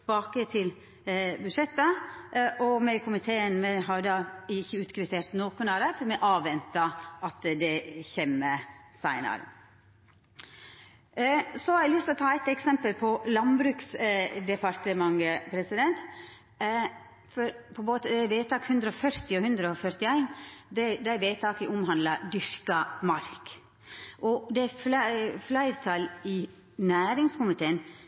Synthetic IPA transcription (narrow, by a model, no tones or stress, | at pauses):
bɑːkət̪ʰɪl | bʉʂɛt̪ːəʔɔmɛɪkʰʊmɪt̪ʰeːənmɛɦɑɾd̪ɑɪçːəʉːt̪kʰɾɪt̪ʰeːɾt̪noːkʊnɑɾəfɔɾmɛʔɑːʋɛnt̪ɑʔɑt̪d̪ɛçɛmːəsæɪnɑ̰ɾə̰ | sɔhɑɾɛlʏst̪ɪlɔt̪ʰɑːɛt̪ɛksɛmpəlpʰɔlɑnbɾʉːksd̪ɛpɑɾt̪əmɑŋːəpʰɾɛsɪd̪ɛnt̪ | fɔɾpʰɔmoːt̪əd̪ɛʋeːt̪ʰɑːkhʉnd̪ɾəɔfœɾt̪ɪɔhʉnd̪ɾəɔfœɾt̪ɪæɪnd̪ɛd̪æɪʋeːt̪ʰɑːkəʔʊmhɑnd̪lɑd̪ʏɾkɑmɑɾk | ʔɔd̪ɛæfflæɪɾt̪ʰɑlɪ | næːɾɪŋskʊmɪt̪ʰeːən